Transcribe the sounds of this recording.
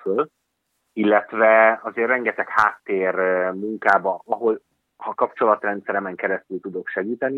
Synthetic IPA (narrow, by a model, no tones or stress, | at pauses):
øl | ilːɛt̪vɛɒzeːrːɛŋɡɛt̪ɛkhaːt̪ːeːrmuŋkaːbɒnɒɦo̞l | hɒkɒpt͡ʃo̞lɒt̪rɛnt̪sɛɾɛmɛŋkɛɾɛst̪ylt̪ud̪o̞kʃɛɡiːt̪ɛni